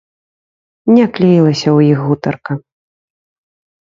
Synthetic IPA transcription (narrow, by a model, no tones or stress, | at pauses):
nʲɛklʲijilˠɐsʲɐwjixɣut̪ɐrkɐ